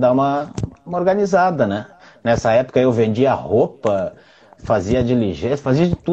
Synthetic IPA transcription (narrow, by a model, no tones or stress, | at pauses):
d̪aũmɐũmɐoɾɡɐ̃nizad̪ɐnɛ | nɛsɐɛpʊ̥kɐewvẽnd͡ʒiɐɐahopɐ | faziɐd͡ʒiliʒesfaziɐd͡ʒɪt̪u